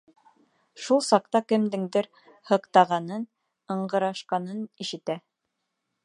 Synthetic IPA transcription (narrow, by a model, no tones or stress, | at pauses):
ʃulˠsɑq̚t̪ɑkɘ̆md̪ɘ̆ŋd̪ɘɾ | hɤ̆qt̪ɑʁɑnɤn | ɤ̆ɴɢɤ̆ɾɑʃqɑnɤniʃɘ̆t̪æ